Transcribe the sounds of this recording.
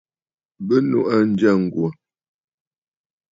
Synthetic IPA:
bə˦nṵ˨ʔa˦n̩˦d͡ʒa˦˨ŋ̩˨ɡwo˨

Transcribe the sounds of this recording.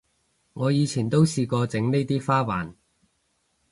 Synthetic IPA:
ŋɔː˨˧jiː˨˧t͡sʰiː˨˩nt̪o˥wsiː˧kɔː˧t͡sɪ˨˥ŋne˥jt̪iː˥faː˥wa̰ː˨˩n

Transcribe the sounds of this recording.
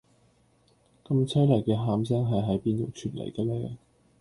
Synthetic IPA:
kɐ˧mt͡sʰɐ˥jlɐ˨˩jkɛː˧ɦaː˧ms̬ɛː˥ŋɦɐ˨jɦɐ˨˥jpiː˧nt̪o˨˩wt͡ʃʰyː˨˩nlɐ̰˨˩jkɐ˧lɛː˧

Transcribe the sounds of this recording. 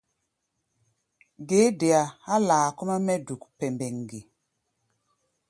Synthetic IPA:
ɡe˨˦de˨a˨a˦laː˨ku˦ma˦mɛ˦du˨kpɛ˨mbɛ˨ŋ˨ɡi˨

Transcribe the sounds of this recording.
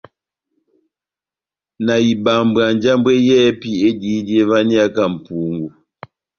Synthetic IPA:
na˨i˨ba˨mba˨nd͡ʒa˦mbwe˦jɛː˦pi˦e˦di˦dje˦va˦ni˦a˦ka˦˨m̩˨pu˨˦ŋɡu˨

